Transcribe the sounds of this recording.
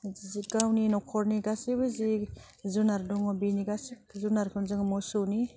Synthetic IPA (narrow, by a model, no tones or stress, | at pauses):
zziɡawninɔkʰɔɾniɡasibɯzi | zunaɾdɔŋɔbiniɡasi | zunaɾkʰɯnzɯŋmɔsowni